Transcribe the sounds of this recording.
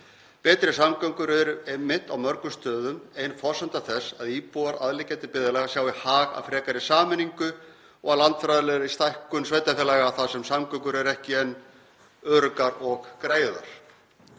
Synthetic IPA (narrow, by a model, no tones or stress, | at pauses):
pɛːt̪ɾɪsamkœŋkʏɾɛɾʏmɪt̪awmœɾkʏst̪œːðʏmejnfɔsant̪aθɛsːaðiːpuaɾaðlɪcajt̪ɪpɪðalɛɣasjaːwihaːɣa̰fɾɛːkaɾɪsaːmɪnːiŋkʏ | ɔɣalant̪fɾajðalɛðɾist̪ajhkʏnsveːjt̪afɛlɛɣaːθasɛmsamkœŋkʏɾɛɾɛhcɪɛnː | œɾkaɾɔɣkɾeːjða̰ɾ̥